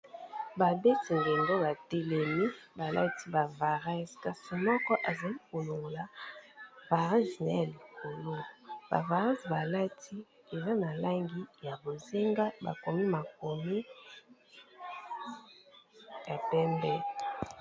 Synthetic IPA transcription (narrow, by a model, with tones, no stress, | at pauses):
ba˨be˦ti˨ŋɡe˨ndo˦ba˨te˨lɛ˨mi˦ba˨la̰˦ti˦ba˨va˨ʁa˦ska˨si˨mɔ˦kɔ˦ʔa˨za˨li˦ko˨lo˨ŋɡo˨la˨ | va˨ʁa˦zna˦ja˨li˨ko˨lo˦ba̰˨va˨ʁã˦sba˨la˦tʰi˦ | e˨za˦na˨la˦ŋɡi˦ja˨bo˨ze˦ŋɡa˦ba̰˨ko˨mi˦ma˨ko˨mi˦ | ja˨pɛ˦mbɛ˦